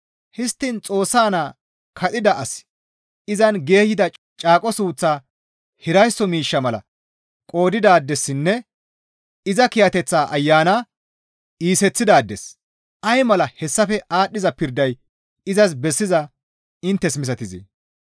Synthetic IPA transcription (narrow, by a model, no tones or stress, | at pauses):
hɪst̪ːɪnt͡sʼo̞ːsːaːnaː | kʰɐt̪ʼɪd̪ɐʔɐs | ɪzɐnɡe̞ːhɪd̪ɐ | t͡ʃʼaːkʼɔsuːt͡sːaː | hɪɾɐjsːɔmiːʃːɐmɐlɐ̰ | kʼo̞ːd̪ɪd̪aːd̪ːɛsːɪnːɛ | ɪzɐkɪjɐt̪ɛt͡sːaːʔɐjːaːnaː | iːsɛt͡sːɪd̪aːd̪ːɛs | ʔɐjmɐlɐhɛsːɐfɛʔaːɗːɪzɐpɪɾd̪ɐj | ɪzɐs̬bɛsːɪzɐ | ɪnt̪ːɛsmɪs̬ɐt̪ɪzḭ